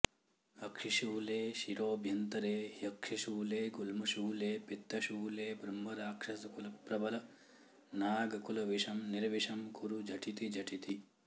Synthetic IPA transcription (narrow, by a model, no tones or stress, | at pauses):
ɐkʂiʃuːleːʃiɾoːbʱjɐnt̪ɐɾeːjɐkʂiʃuːleːɡulmɐʃuːleːpit̪ːɐʃuːleːbʱɾɐmːɐɾaːkʂɐsɐkulɐpɾɐbɐlɐ | naːɡɐkulɐʋiʂɐmniɾɐʋiʃɐmkuɾud͡ʒɐʈʰit̪id͡ʒɐʈʰit̪i